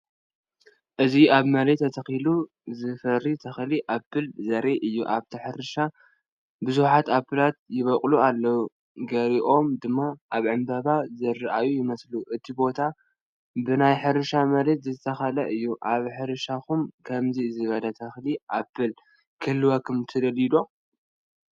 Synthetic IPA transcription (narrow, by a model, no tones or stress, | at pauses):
ʔɨziaβmɐɾet̪ʰːɐt̪ʰɐxilu | zɨfɐɾːit̪ʰɐxliʔabɨlzɐɾeʔɨjːuʔaβt̪ʰɨħɨɾɨʃa | bɨzuħat̪abːɨlat̪̚jɪβɐkʼlualːɐwu | ɡɐɾiʔo̞md̪ɨmːaʔaβʕɨmbɐβazɐrɨʔajujɪmɐsluʔɨt̪ʰibo̞t̪ʰa | bɨnajħɨɾɨʃamɐlet̪zɨt̪ʰɐxɐlɐʔɨjːuʔaβħɨɾɨʃakumkʰɐmzizɨβɐlɐt̪ʰɐxliʔabɨl | kʰɨlːɨwakʰɨmt̪ʰɨd̪ɐlid̪o̞